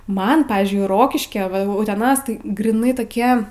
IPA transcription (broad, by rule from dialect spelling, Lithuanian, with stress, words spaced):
ˈmɐn ˈpɑːʋʲiːzʲd͡ʒʲʊɪ ˈroːkʲɪʃʲkʲɛ ʋɐ ʊtʲɛˈnɐs ɡrʲiːˈnɐɪ toːˈkʲiɛ